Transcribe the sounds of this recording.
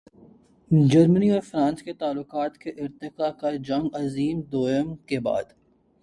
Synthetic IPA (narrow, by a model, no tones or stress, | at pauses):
d͡ʒɐɾməniɔːɾfɾãːnsket̪aːlːʊqaːt̪keʔɪɾt̪ɪkakad͡ʒɐ̃ŋɡɐziːmd̪oːjəmkeba̰ːd̪